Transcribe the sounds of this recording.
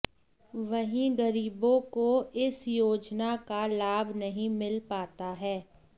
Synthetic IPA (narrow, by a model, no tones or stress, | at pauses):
ʋɐɦĩɡɐɾiːbõkoɪsjoːd͡ʒnakalaːbnɐɦĩmɪlpaːt̪aɦɛː